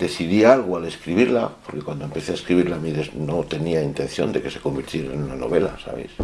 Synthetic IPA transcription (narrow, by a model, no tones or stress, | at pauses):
d̪̥e̞θiðialɣ̞oale̞skɾiβ̞iɾlapo̞ɾke̞kwand̪oempe̞θeaeskɾiβiɾlamiðeznot̪e̞niaint̪e̞nθjo̞̰nd̪e̞ke̞se̞̥ko̞mbiɾt̪je̞ɾaenunano̞̰β̞e̞la̰sa̰βḛjs